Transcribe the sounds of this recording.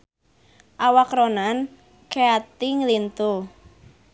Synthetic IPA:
ʔawakɾonan | keat̪iŋlint̪u

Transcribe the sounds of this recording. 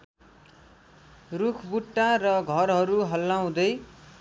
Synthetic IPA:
rukʰbuʈːarʌɡʱʌrɦʌɾuɦʌlːaw̃d̪ʌj

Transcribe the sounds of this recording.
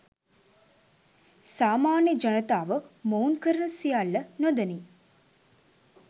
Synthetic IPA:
saːmaːnjəd͡ʒɐnət̪aːʋəmounkəɾənəsijalːənod̪əni

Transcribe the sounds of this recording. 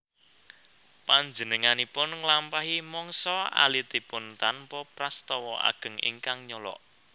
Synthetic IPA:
paɲd͡ʒənəŋanipʊnŋlampaɦimɔŋsɔa̰lit̪ipʊnt̪anpɔpɾast̪ɔwɔa̰ɡ̥ə̤ŋḭŋkaŋɲɔlɔ̰ʔ

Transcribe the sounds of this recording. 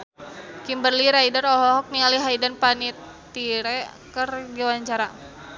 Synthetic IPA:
kimbərliɾaidarɔɦɔɦɔk̚niŋaliɦaidanpanit̪ | iɾɛkərɡiwaɲt͡ʃaɾa

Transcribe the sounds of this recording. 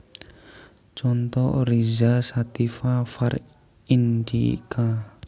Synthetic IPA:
t͡ʃɔnt̪ɔʔrizasat̪ifafar | ind̪ḭka

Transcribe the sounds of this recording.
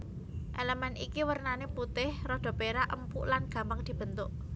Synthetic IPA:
ʔeləmɛnʔikiwərnaneput̪ɪhrɔɖ̪̥ɔ̤peɾaʔə̰mpuʔlanɡ̥ä̤mpaŋd̪̥i̤b̥ə̤nt̪ʊʔ

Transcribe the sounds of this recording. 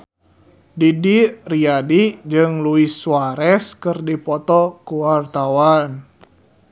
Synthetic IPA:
didiriadid͡ʒɨŋluisːuaɾɛskɨrdipɔt̪ɔkuwart̪awan

